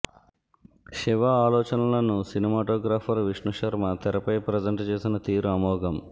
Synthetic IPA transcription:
ʃiʋɐaːlɔːt͡ʃɐnɐlɐnusinimaːʈoːɡɾaːpʰɐɾʋiʂnuʂɐɾmɐt̪ɐɾɐpɐjpɾɐd͡ʒɐɳʈt͡ʃe̞ːsinɐt̪iːɾuɐmɔːɡɐm

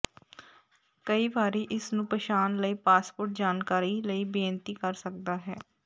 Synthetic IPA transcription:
kəiːbaːɾiːʔɪsnũːpəʃaːnləiːpaːspʊɾʈ̚d͡ʒaːnkaːɾiləiːbeːənt̪iːkəɾsək̚d̪aːɦɛː

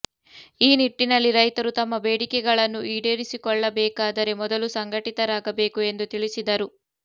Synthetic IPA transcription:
iːniʈːinɐlːiɾɐjt̪ɐɾut̪ɐmːɐbeːɽikɛɡɐɭɐnːuʔiːɖeːɾisikɔɭːɐbɛːkaːd̪ɐɾe̞mɔd̪ɐlusɐŋɡʱɐʈit̪ɐɾaːɡɐbe̞ːkue̞nd̪ut̪iɭisid̪ɐɾu

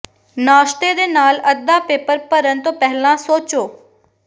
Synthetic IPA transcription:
naːʃʈ̪eːd̪eːnaːləd̪aːpeːpəɾpəɾənt̪õːpɛɦlãːsoːt͡ʃoː

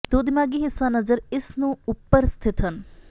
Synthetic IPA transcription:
d̪oːd̪ɪmaːɡiːɦɪsːanəzəɾɪsnũːʊpːəɾst̪ʰɪt̪ɦən

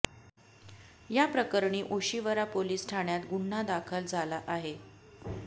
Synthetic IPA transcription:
japɾəkəɾɳiːʔoɕiʋəɾapoliːsʈʰaɳjat̪ɡuɳːad̪akʰəld͡zʱalaʔaɦe

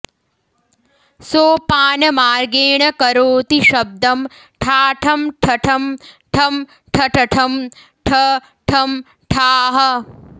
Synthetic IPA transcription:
soːpaːnɐmaːɾɡeːɳɐkɐɾoːt̪iʃɐb̚d̪ɐm | ʈʰaːʈʰɐmʈʰɐʈʰɐmʈʰɐm | ʈʰɐʈʰɐʈʰɐm | ʈʰɐ | ʈʰɐm | ʈʰaːɦɐ̆

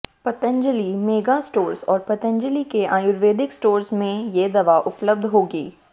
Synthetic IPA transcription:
pɐt̪ə̃ɲd͡ʒəlimeːɡasʈoːɾsɔːɾpɐt̪ə̃ɲd͡ʒəlikeʔãːjʊɾʋeːd̪ɪksʈoːɾsmẽjed̪ɐʋaʔʊpləb̚d̪ʱɦoːɡiː

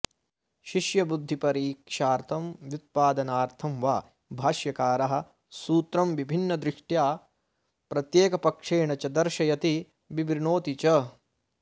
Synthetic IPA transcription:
ʃiʃjɐbud̪ʱːipɐɾiːkʂaːɾt̪ʰɐmʋjut̪̚paːd̪ɐnaːɾt̪ʰɐmʋaː | bʱaːʃjɐkaːɾɐɦɐ̆ | suːt̪ɾɐmʋibʱinːɐd̪ɾɪʂʈjaː | pɾɐt̪jeːkɐpɐkʂeːɳɐt͡ʃɐd̪ɐɾʃɐjɐt̪i | bibɾiɳoːt̪it͡ʃɐ

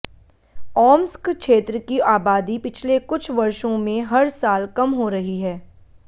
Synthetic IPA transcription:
ɔːmskkʃeːt̪ɾəkiaːbaːd̪ipɪt͡ʃʰlekʊt͡ʃʰʋɐɾʃõmẽɦɐɾsaːlkɐmɦoɾɐɦiɦɛː

